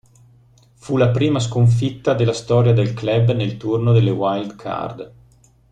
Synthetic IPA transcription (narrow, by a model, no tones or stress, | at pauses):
fulapɾiːmas̬koɱfit̪ːad̪elast̪ɔːɾjad̪elklɛbnelt̪urnod̪elːewajld̪kʰa̰rd̪